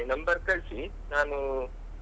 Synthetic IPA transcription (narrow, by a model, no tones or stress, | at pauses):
nɐmbɐɾkɐɭsi | naːnu